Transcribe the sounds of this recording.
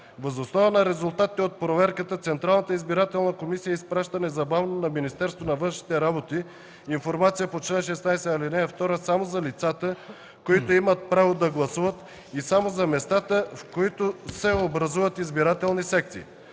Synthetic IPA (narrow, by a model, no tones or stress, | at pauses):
vɐzosnɔvənɐɾɛzʊlˠt̪at̪it̪ɛot̪̚pɾovɛɾkət̪ət̪sɛnt̪ɾalˠnət̪əizbiɾat̪ɛlˠnəkomisijəispɾaʃt̪ənɛzɐbavnonɐminist̪ɛɾst̪vonɐvɤnʃni̥t̪ɛɾabot̪i | infoɾmat̪sijəpot͡ʃlɛnʃ̬ɛsnajsɛalinɛɐft̪ɔɾəsamozɐlit̪sat̪ə | koit̪oimət̪̚pɾavod̪ɐɡlˠɐsuvət̪ | isamozɐmɛst̪at̪əfkoit̪osɛobɾɐzuvət̪izbiɾat̪ɛlˠnisɛkt̪sḭ